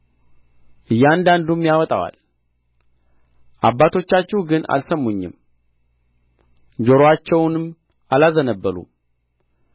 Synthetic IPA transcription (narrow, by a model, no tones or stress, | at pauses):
ʔɨjːand̪and̪umjawɔt̪ʼa̰wa̰l | ʔabːat̪ʰo̞t͡ʃːat͡ʃːɛhuɡɨna̰lsəmːuɲːɪ̰m | d͡ʒo̞ɾoat͡ʃːɛwnɨm | alazənəbːəɾṵm